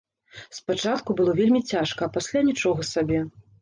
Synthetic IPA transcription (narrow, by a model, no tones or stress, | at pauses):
spat͡ʂat̪kubɨlˠɔvʲelʲmʲit͡sʲaʂkɐːpasʲlʲanʲit͡ʂɔɣɐsabʲɛ